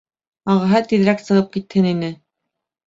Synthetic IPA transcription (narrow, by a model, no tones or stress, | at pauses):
ɑʁɑ̆ɦɤt̪iðɾæksɤ̆ʁɤp̚kit̪hɘninɘ